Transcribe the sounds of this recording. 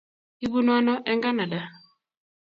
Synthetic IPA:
i˦bu˦na˦nɔ˦ʔɛ˦ŋɡa˦na˨da˨

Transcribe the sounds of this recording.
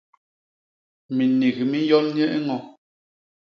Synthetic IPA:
mi˨ni˨ɣmi˦jɔ˦lɲ˦ɛ˦ʔŋɔ˨

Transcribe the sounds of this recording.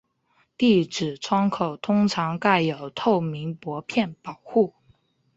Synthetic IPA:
t̪i˥˩ʈ͡ʂɻ̩˨˩ʈ͡ʂʰwɑ˥ŋkʰo˨˩ʊt̪ʰʊ˥ŋʈ͡ʂʰɑ˧˥ŋka˥˩ɪjo˨˩ʊt̪ʰo˥˩ʊmi˧˥ŋpwɔ˧˥pʰjɛ˥˩npɑ˨˩ʊxu˥˩

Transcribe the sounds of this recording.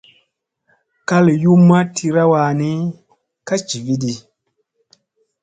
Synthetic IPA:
ka˦lju˦mːa˦tʰi˧ɾa˦wa˧˨ni˦ | ka˦t͡ʃi˨vi˦di˨

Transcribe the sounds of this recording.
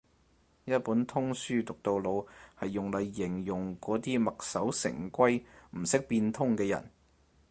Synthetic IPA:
jɐ˥t̚puː˨˥nt̪ʰʊ˥ŋsyː˥t̪ʊ˨k̚t̪o˧wlo˨˧whɐ˨jːʊ˨ŋlɐ˨˧jːɪ˨˩ŋjʊ˨˩ŋkɔː˨˥t̪iː˥mɐ˨k̚sɐ˨˥wsɪ̰˨˩ŋkʷɐ˥jm̩˨˩sɪ˥k̚piː˧nt̪ʰʊ˥ŋkɛː˧jɐ̰˨˩n

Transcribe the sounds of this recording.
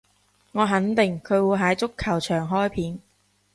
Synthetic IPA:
ŋɔː˨˧ɦɐ˨˥nt̪ɪ˨ŋkʰɵ˨˧ɥwuː˨˧ɦɐ˨˥jt͡sʊ˥kʰːɐ˨˩wt͡ʃʰœː˨˩ŋɦɔː˥jpʰiː˨˥n

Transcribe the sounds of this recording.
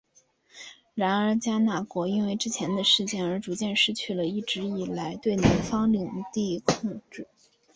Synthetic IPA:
ɻa˧˥nə˞˧˥t͡ɕja˥na˥˩kwɔ˧˥i˥nwe˥˧ɪʈ͡ʂɻ̩˥t͡ɕʰjɛ˧˥nd̪ə˧ʂɻ̩˥˧t͡ɕjɛ˥˩nə˞˧˥ʈ͡ʂu˧˥t͡ɕjɛ˥˧nʂɻ̩˥˧t͡ɕʰy˥˩lə˩i˥˩ʈ͡ʂɻ̩˧˥i˨˩la˧˥ɪt̪we˥˩ɪni˧˥nfɑ˥ŋli˨˩ŋt̪i˥˧kʰʊ˥˧ŋʈ͡ʂɻ̩˥˩

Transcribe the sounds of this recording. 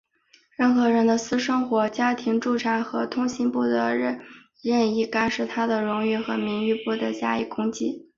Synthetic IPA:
ɻə˥˩nxɤ˧˥ɻə˧˥nd̪ə˧sɹ̩˥ʂɤ˥ŋxwɔ˧˥t͡ɕja˥t̪ʰi˧˥ŋʈ͡ʂu˥˩ʈ͡ʂʰa˧˥nxɤ˧˥t̪ʰʊ˥ŋɕi˧˥npu˥˩d̪ə˧˥ɻə˥˩n | ɻə˥˧ni˥˩ka˥nʂɻ̩˥˩t̪ʰa˥d̪ə˨ɻʊ˧˥ŋy˥˩xɤ˧˥mi˧˥ŋy˥˧pu˥˩d̪ə˩t͡ɕja˥i˥˩kʰʊ˥ŋt͡ɕi˥

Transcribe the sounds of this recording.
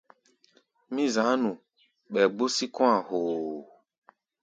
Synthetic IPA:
mĩ˦zã˨˦nũ˨ | ɓɛ˨ɡ͡bo˦si˦kɔ̃˦a˨ho˨

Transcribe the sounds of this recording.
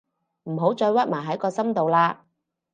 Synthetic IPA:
m̩˨˩ɦo˨˥wt͡ʃɔː˧jwɐ˥t̚maː˨˩ɦɐ˨˥jkɔː˧sɐ˥mt̪o˨wlaː˧

